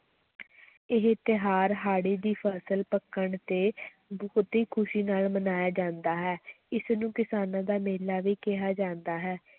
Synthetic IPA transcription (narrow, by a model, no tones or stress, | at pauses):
ɪɦt̪ɪɦaːɾɦaːɽiːd̪iːpʰɛːsəlpəkːəɳt̪eː | bʊːt̪iːkʰʊʃiːnaːlmənaːjaːd͡ʒãːnd̪aːɦɛː | ɪsnũːkɪsaːnãːd̪aːmeːlaːʋiːkɪɦaːd͡ʒãːnd̪aːɦɛː